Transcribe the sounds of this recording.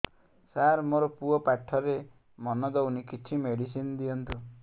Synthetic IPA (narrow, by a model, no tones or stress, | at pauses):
saɾmoɾɔpuɔpaʈʰːɔɾe | mɔnɔd̪ɔwnikit͡ʃʰimeɽisind̪iɔnt̪u